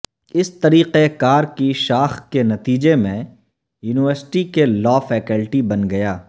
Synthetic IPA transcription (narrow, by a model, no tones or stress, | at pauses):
ɪst̪ɐɾiːqekaːɾkiʃaːxkenɐt̪iːd͡ʒemẽ | juːnɪʋəɾsʈikelɔːfɛːkəlʈibɐnɡɐjaː